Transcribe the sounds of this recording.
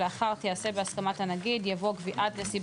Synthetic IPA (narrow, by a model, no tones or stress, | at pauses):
eaχaʁt̪iase̞beaskamathanaɡid̪javo̞kviʔad̪nesib